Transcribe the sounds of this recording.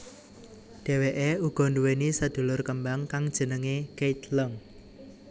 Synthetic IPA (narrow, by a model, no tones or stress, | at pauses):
ɖ̥e̤weʔeuɡ̥ɔ̤nduwenisəd̪̥ṳlʊrkəmbaŋkaŋd̥ʒ̥ə̤nəŋeɡejt̪ləŋ